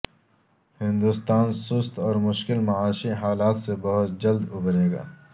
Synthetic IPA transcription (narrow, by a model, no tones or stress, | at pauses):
hɪ̃nd̪ust̪aːnsʊst̪ɔːɾmʊʃkɪlmɐaːʃiɦaːlaːt̪sebɐɦʊt̪̚d͡ʒɐld̪ʊbɾeːɡa̰ː